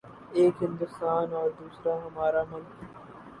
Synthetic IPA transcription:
eːkɦɪ̃nd̪ʊst̪aːnɔːɾd̪uːsɾaɦɐmaːɾamʊlkɦ

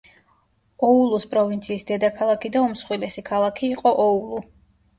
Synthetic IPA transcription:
ɔulˠuspʼɾɔvint̪sʰiːsd̪ɛd̪akʰalˠakʰid̪aɔmsχwilɛsikʰalˠakʰiːqʼɔʔɔulˠu

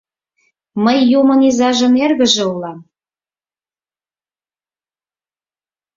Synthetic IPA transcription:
məjːumɤ̆nizɑʒə̆merɣə̆ʒĕulɑm

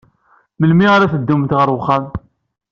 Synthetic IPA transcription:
məlmiʁaɾæθəd̪ːumt̪ʁəɾwχːan

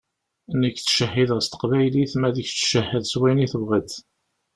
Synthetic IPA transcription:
nəkːt͡sːʃəhːiðʁəst̪ə̥qvæjliθmæðəçt͡sːʃəhːəðswæniθəvʁət̪

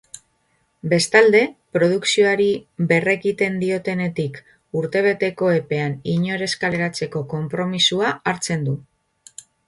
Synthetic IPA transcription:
be̞st̪ald̪e̞pɾo̞ð̞uksio̞aɾibe̞re̞ɣit̪e̞nd̪io̞t̪e̞ne̞t̪ik | uɾt̪e̞β̞e̞t̪e̞ko̞e̞pe̞aniɲo̞ɾe̞skaleɾat͡se̞ko̞ko̞mpɾo̞misuaaɾt͡se̞nd̪u

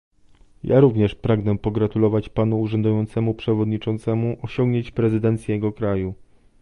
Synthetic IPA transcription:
ja̰ɾuvɲɛʂpɾaɡnɛpɔɡɾat̪ulɔvat͡ɕpanuːʐɛnd̪ujɔnt̪sɛmupʂɛvɔd̪ɲit͡ʂɔnt̪sɛmuʔɔɕɔŋɡɲeɲt͡ɕpɾɛzɘd̪ɛnt̪sʲjɛjɛɡɔkɾaju

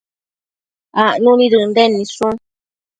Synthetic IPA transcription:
aʔnunidɨn̩dɛnːisuŋ

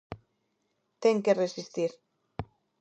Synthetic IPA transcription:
t̪eŋkeresist̪iɾ

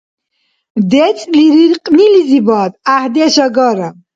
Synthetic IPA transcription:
d̪ɛt͡sʼliɾiɾqʼnilizibaːd̪ahd̪iaʃaɡɔɾə

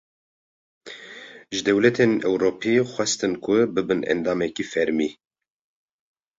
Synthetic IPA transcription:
ʒɨd̪ɛwlɛt̪ʰenɛwɾoːpʰixʷwɛst̪ɨnkʰʊbɨbɨnɛ̰nd̪ɑːmɛkifɛɾmiː

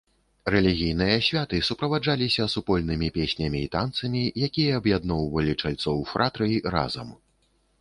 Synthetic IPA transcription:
rɛlʲiɣʲijnɨjɐsʲvʲat̪ɨsupɾɐvad͡ʐalʲisʲɐsupɔlʲnɨmʲipʲesʲnʲɐmʲiːt̪ant̪sɐmʲijakʲijɐːbjad̪nɔwvɐlʲit͡ʂalʲt̪sɔwfɾʔat̪ɾɨra̰zɐm

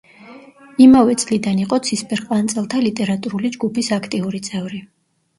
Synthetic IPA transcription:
imavɛt̪sʼlid̪aniqʼɔt̪sʰispʰʼɛɾqʼwant̪sʼɛlˠt̪ʰalit̪ʼɛɾat̪ʼuɾulid͡ʒɡupʰisakʰt̪ʼiuɾit̪sʼɛvɾi

